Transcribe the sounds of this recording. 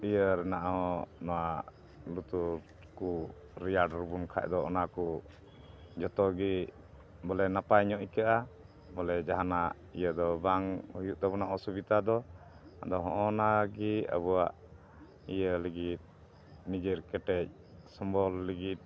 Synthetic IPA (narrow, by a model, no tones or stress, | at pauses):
ijəɾɛnaʔaɦɔnɔwa | lut̪uɾ | ku | ɾijaɖɾubunkʰa̰ʔ̚d̪ɔɔnaku | d͡ʒɔt̪ɔɡi | bɔlɛnapajɲɔʔkaʔa | bɔlɛd͡ʒaɦanaʔ | ḭjəd̪ɔbaŋhujuʔd̪abunaʔɔsubit̪ad̪ɔ | a̰d̪ɔɦɔ̃ʔɔnaɡiə̰buwaʔ | ijələɡit̪̚ | nid͡ʒiɾkɛʈɛc̚ | sɔmbɔlːiɡit̪̚